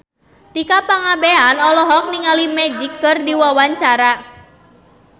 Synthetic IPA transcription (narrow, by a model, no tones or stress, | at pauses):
t̪ikapaŋabeanɔlɔɦɔk̚niŋalimɛd͡ʒikːɨrdiwawaɲt͡ʃaɾa